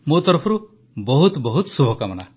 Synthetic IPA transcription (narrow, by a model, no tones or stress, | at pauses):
mot̪ɔɾɔpʰɔɾu | bɔɦut̪bɔɦut̪subʱɔkamɔna